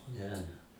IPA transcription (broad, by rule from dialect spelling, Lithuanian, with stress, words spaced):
ˈnʲɛ